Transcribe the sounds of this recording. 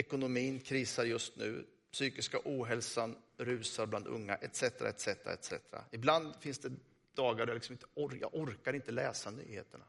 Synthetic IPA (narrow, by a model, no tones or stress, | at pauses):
ɛkʊnʊmiːnkʰɾiːsaɾjɵst̪nʉ̟̰ː | psyːkɪskaʔuːɦɛlsanɾʉ̟ːsaɾbland̪ɵ̰ŋːa̰ʔɛt̪sɛt̪əɾa̰ɛt̪sɛt̪əɾa̰ɛ̰t̪sɛ̰t̪əɾa̰ɪbland̪fɪnsd̪ɛ | d̪̥ɑːɡaɾɛjalɪksɔmɪnt̪ə̥ɔɾjɑ̰ːɔɾkaɾɪnt̪əlɛːsany̰ːhḛːt̪əɳa̰